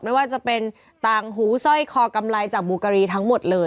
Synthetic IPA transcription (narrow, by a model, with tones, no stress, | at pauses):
ma˥˩jwaː˥˩t͡ɕa˨˩pe˧n | t̪aː˧˩ŋɦuː˩˦sɔ˥˩jkʰɔː˧ka˧mla˧jt͡ɕaː˨˩k̚buː˧kaː˧ɾiː˧t̪ʰa˦˥ŋmo˨˩t̪̚lɤː˧j